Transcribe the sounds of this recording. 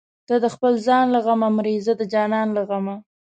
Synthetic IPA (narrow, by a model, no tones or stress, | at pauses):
d̪̥ad̪əxpəlzɑnlaɣamamɾezad̪əd͡ʒɑnɑnlaɣama